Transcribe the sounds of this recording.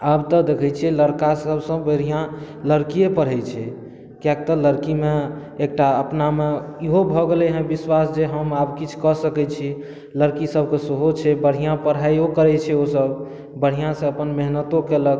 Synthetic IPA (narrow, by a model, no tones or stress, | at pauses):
abt̪ɔd̪ekʰɛt͡ʃʰiɛləɾkasəbsə̃bəɽ̤ijã | ləɾkijepəɽ̤ɦɛt͡ʃʰɛ | kjak̚t̪ɔləɾkimeː | k̚ʈaəpnameiɦobʱɔɡelɛɦɛ̃biswasd͡ʒeɦəmabkit͡ʃʰkɔsəkɛt͡ʃʰi | ləɾkisəbʱkesəɦot͡ʃʰɛbəɽ̤ijãpəɽ̤ajokəɾɛt͡ʃʰɛosəb | bəɽ̤ijãsẽəpənmeɦnət̪okelək